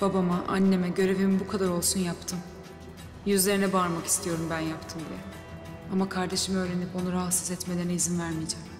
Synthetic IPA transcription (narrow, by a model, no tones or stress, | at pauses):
b̥abamaʔa̰nːe̞mɛɟø̞ɾe̞vimibukʰad̪aɾo̞lˠsunjapt̪ʰɯm | jyzlʲe̞ɾinɛbaːɾmaki̥st̪ʰijo̞ɾumbænjapt̪ʰɯmd̪ijɛ | amakʰaɾd̪e̞ʃimø̞ːɾenipo̞naɾahasɯ̥zɛt̪me̞d̪ænɛizinvæɾmid͡ʒam